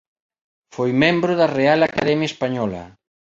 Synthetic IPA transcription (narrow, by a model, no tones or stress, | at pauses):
fojmẽmbɾʊðarealakaðɛmjaespaɲɔlɐ̰